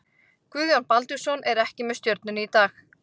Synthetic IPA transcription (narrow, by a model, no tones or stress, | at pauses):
kvʏːðjɔnpalt̪ʏsɔnʔɛɾɛhcɪmɛðst̪jœɾt̪nʏnit̪aːx